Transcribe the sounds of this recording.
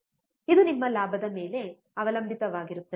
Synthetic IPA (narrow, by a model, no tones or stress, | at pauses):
id̪unimːɐlaːbʱɐd̪ɐme̞ːle̞ | ɐʋɐlɐmbʱit̪ɐʋaːɡiɾut̪ːɐ